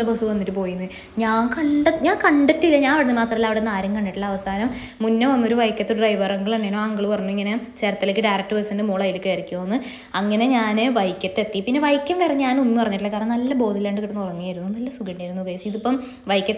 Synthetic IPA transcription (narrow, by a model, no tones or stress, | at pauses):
ɐbɐsɨʋɐnːiʈːɨpo̞ːjunːɨ | ɲaːnkɐɳɖɐɲaːŋkɐɳɖɐtːilːɐɲaːnɐʋiɽenɨmaːt̪rɐmɐlːɐʋiɽenaːɾjɐmkɐɳɖiʈːɨɭːɐːʋɐsaːnɐmː | unːɐʋɐnːo̞ɾuʋɐjkʲːɐt̪ːɨɖrɐjʋɐrɐŋɡɐɭeɳːeːnoːaɐŋɡɐɭupɐrɐɲːuiŋːɐnet͡ɕe̞ːrɐt̪ːilekːɨɖɐjrɐk̚ʈːɨbɐsindɨmuːɭɐjilikːeːɐɾikʲːuoːnːɨ | ɐŋːɐne̞ɲaːnɨʋɐjkʲːɐt̪ːe̞t̪ːipinːe̞ʋɐjkʲːɐmʋeːreɲaːno̞nːɨpɐrɐɲːiʈːlɐkːaːɾɐɳɐnɐlːɐbo̞ːd̪ilːaːɳɖɨkiʈːɐnːupɐrɐɲːujaːjiɾunːunɐlːɐsuɡɐɳɖiaːjɾunːukɐjsiðupːɐm | ʋɐjkʲːɐ